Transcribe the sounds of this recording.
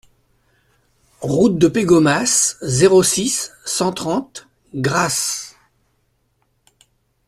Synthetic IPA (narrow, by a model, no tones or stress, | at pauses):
ʁut̪̚d̪əpeɡɔmaszeʁosisːɑ̃t̪χɑ̃t̪ | ɡʁas